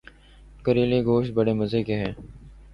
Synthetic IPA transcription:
kəɾiːleːɡoːʃt̪̚bəɽeːməzeːkeːɦɛ̃ː

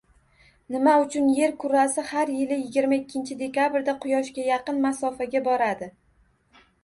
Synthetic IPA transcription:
nɪmaʊt͡ʃʰʊnje̞ɾkʰʊɾasɪhaɾjɪlɪjɪɡʲɪɾmaɪkʲːɪnt͡ʃʰɪd̪e̞kʰʲabɪɾd̪aqʰʊjɒʃkʲajɑqɨnmasɒfaɡʲabɒɾad̪ɪ

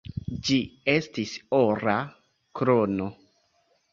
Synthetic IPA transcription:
d͡ʒie̞stisoɾa | kɾono

